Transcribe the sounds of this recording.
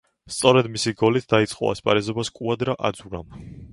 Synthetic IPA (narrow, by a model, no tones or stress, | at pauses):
st̪sʼɔɾɛd̪misiɡɔlit̪ʰd̪ait̪sʼqʼɔ̰a̰spʼa̰ɾɛzɔbaskʼuad̪ɾaʔad̪zuɾa̰m